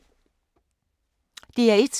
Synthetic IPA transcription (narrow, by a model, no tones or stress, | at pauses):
d̥e̝æɐed̥s